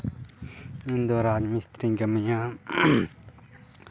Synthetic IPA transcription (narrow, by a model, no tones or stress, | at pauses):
ind̪oɾaːd͡ʒmist̪ɾiŋɡɐmijã